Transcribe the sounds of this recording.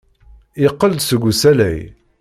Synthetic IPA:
ɪqːəld̪səɡʷːusælæ̰j

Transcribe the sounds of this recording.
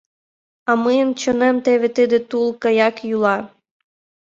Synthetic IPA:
amɪnt͡ɕɔnɛmt̪ɛʋet̪ɪd̪ɪt̪ulˠkɐjɑkjulˠɑ

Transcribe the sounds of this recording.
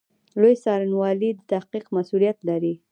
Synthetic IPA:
lojsɑɾanwɑlid̪ət̪ahqiqmasulijat̪laɾi

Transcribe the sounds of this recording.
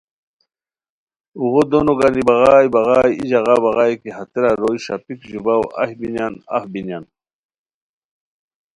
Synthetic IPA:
uɣod̪onoɡanibɑɣaːjbɑɣaːjid͡ʑaɣɑbɑɣɑjkiɦat̪eɾaɾoiɕa̰pikʑubawa̰hbinjana̰fbinjan

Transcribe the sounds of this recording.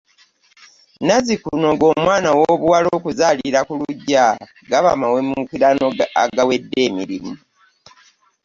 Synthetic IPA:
nazikuno̞ŋɡo̞ːmwaːnawoβuwalo̞ːkuzaːliɾakuluɟːa | ɡaβa̰mawemukiɾanoa̰ɡawe̞dːe̞ːmiɾimu

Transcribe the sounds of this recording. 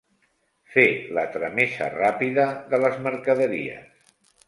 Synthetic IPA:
felə̰t̪ɾəmesə̰rapiðəðələzməɾkəðəɾḭə̰s

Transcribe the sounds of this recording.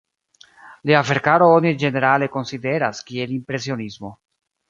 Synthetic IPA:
liafeɾkaɾo̞onid͡ʒe̞ne̞ɾale̞ko̞nside̞ɾaskie̞limpɾe̞sio̞nismo̞

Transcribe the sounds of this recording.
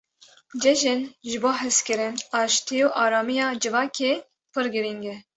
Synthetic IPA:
d͡ʒɛʒɪnʒɨboːɦɨskɨɾɪnɑːʃt̪iuʔɑːɾɑːmijɑːd͡ʒɨvɑːkʰeː | pʰɨɾɡɨɾiŋɡɛ

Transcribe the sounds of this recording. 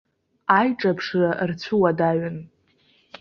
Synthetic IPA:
ajʈ͡ʂʼapʰʂɨart͡sʷʰuwadaɥɪn

